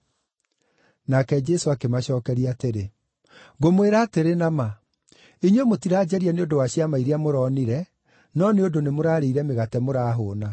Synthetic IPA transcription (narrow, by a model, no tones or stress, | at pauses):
nakɛd͡ʒɛsoakemaɕɔːkɛɾiaːteɾe | ɡomweɾaːteɾenama | iɲwemotiɾaːd͡ʒɛɾianeondowaɕiamaiɾeamoɾɔniɾɛ | nɔneodonemoɾaːɾeiɾɛmeɣatɛmoɾaːɦoːna